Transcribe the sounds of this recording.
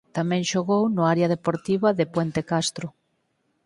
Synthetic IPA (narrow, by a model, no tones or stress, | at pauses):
t̪amɛ̃ŋʃoɣownʊaɾjɐð̞epoɾt̪iβɐðepwɛnt̪ekast̪ɾʊ